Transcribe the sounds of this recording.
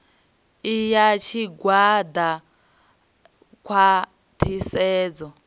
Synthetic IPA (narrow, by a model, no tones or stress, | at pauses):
ijat͡ʃʰiɡwad̪a | kʰwa | t̪ʰisɛːd͡zɔ